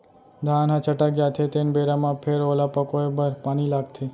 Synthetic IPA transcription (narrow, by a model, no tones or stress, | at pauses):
d̪ʱanɦãt͡ʃəʈaɡjat̪ʰet̪enbeɾamãpʰeɾolapəkoebəɾpañilaɡt̪ʰe